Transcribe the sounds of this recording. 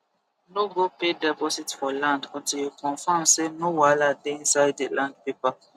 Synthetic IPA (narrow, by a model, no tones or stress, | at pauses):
noɡopedɛpɔsitfɔlãndɔ̃ntijukɔ̃nfãmsenowaladeĩnsaɪddelãndpepa